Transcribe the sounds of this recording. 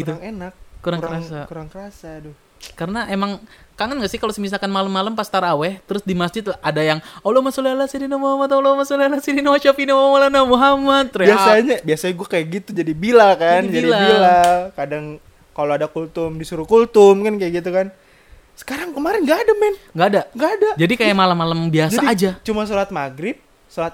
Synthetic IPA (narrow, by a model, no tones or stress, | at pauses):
ɡit̪uŋenak̚kuɾaŋŋkəɾasakuɾaŋkəɾasadʊh | karənaʔemaŋkaŋənɡaʔsɪhkalosəmis̬akanmaləmːaləmpast̪aɾawɛht̪əɾʊsdimasd͡ʒɪt̪̚laadajaŋolomasolialasidinamuɦamat̪olomasolialasidinawaʃapinawamalanamuɦamat̪̚ːɾbiasaɲabiasaɲaɡuakajaʔɡit̪ud͡ʒadibilakand͡ʒaidilabilakadaŋ | kaloadakult̪ʊmdisuɾukult̪ʊmkankajaɡit̪ukan | sə̥kaɾaŋkəmaɾɪnɡaːdamɛnŋɡaːdaŋɡaːdad͡ʒadikajamalamːalambiad͡ʒsaːd͡ʒat͡ʃumas̬uɾat̪̚maɡɾɪp̚ | suɾat̪̚